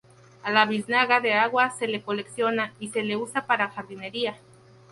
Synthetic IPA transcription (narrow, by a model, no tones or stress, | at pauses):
alaβisnaɣaðeaɣwaselekoleksjonaiseleusapaɾaxaɾðineɾia